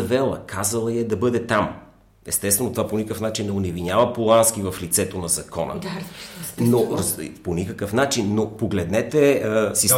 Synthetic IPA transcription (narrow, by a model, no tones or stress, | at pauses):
ɐvɛlˠə̰kʰazəlˠɐjɐd̪ɐbɤd̪ɛt̪am | ɛst̪ɛst̪vɛnot̪vaponikəfnat͡ʃinːɛʊnɛvinʲjavɐpolˠansk̟ivɐflit̪sɛt̪onɐzɐkʰɔnə̰ | noɾponʲikəkəfnat͡ʃinːopoɡlɛd̪nɛt̪ɛsis